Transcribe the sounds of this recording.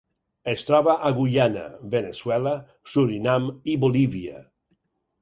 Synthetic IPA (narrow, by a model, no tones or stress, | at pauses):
est̪ɾɔβaʔaɣuʎana̰βeneswɛla | suɾinamiβoliβia̰